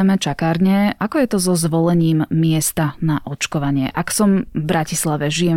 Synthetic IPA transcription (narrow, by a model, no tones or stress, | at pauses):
mɛt͡ʃakaːɾɲɛʔakɔjɛt̪ɔzɔzʋɔlɛɲiːmːɪɛst̪anaʔɔt͡ʃkɔʋaɲɪɛ̰ʔaksɔmvbɾacislaʋɛʒijɛ